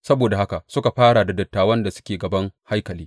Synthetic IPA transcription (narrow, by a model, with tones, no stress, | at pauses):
sɐ˦boː˨da˨ha˦ka˨sʊ˦ka˨ɸaː˦ɽa˨da˨dɐ˨tːaː˨wɐ˦nda˨sʊ̥˦kʲeː˨ɡɐ˨bɐ˦ŋha˦jkɐ˨liː˦